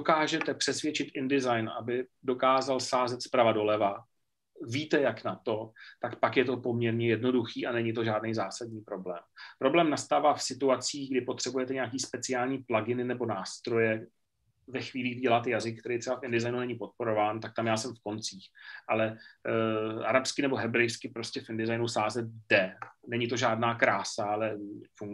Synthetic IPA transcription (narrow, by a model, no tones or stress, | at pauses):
dokaːʒɛt̪ɛpr̝̥ɛsvjɛt͡ʃɪt̪ʔɪndɪzajnʔa̰bɪdo̞kaːzalsaːzɛt̪spɾavado̞lɛva | viːt̪ɛjaknat̪o̞t̪akpakjɛt̪o̞po̞mɲɛɾɲɛjɛdno̞duxiːʔanɛɲɪt̪̬o̞ʒaːdnɛjzaːsadɲiːpɾo̞blɛːmpɾo̞blɛːmnast̪aːvaːfsɪt̪uat͡siːɣɡdɪpo̞t̪r̥ɛbujɛt̪ɛɲɛakiːspɛt͡sɪjaːlɲiːplaɡɪnɪnɛbo̞naːst̪ɾo̞jɛ | vɛxviːliːɡvɟɛlat̪ɛjazɪk̚ːt̪ɛɾejt̪rɛbafʔɪndɪzajnunɛɲɪpo̞t̪̚po̞ɾo̞vaːnt̪ak̚t̪amjaːsɛmfko̞nt͡siːxʔalɛ | ʔa̰ɾapskɪnɛbo̞ɦɛbɾɛjskɪpɾo̞scɛfʔɪndɪzajnusaːzɛt̪̚dɛnɛɲɪt̪o̞ʒaːdnaːkɾaːsalɛfuŋɡ